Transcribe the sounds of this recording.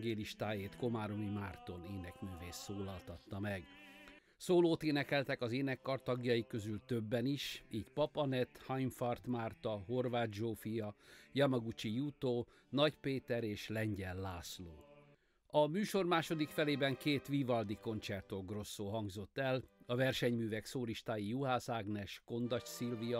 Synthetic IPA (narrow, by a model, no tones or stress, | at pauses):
ɡeːliʃt̪aːjeːt̪ko̞maːɾomimaːrt̪o̞neːnɛknøveːsoːlɒlt̪ɒt̪ːɒmɛɡ | soːloːt̪eːnɛkɛlt̪ɛkɒzeːnɛkːɒrt̪ɒɡjɒjikø̞zylt̪ø̞bːɛniʃiːɟpɒpɒnɛt̪hɒjɱfɒrt̪maːrt̪ɒɦo̞rvaːd̪̚d͡ʒoːfijɒjɒmɒɡut͡ʃijut̪oː | nɒcpeːt̪ɛɾeːʃlɛɲɟɛlːaːsloː | ɒmyːʃo̞rmaːʃo̞d̪ikfɛleːbɛŋkeːt̪ʋivɒld̪iko̞nt͡ʃɛrt̪oɡro̞sːoːɦɒŋɡzo̞t̪ːɛlɒvɛrʃɛɲmyːvɛksoːɾiʃt̪aːjijuɦaːsaːɡnɛʃko̞nd̪ɒcsilvijɒ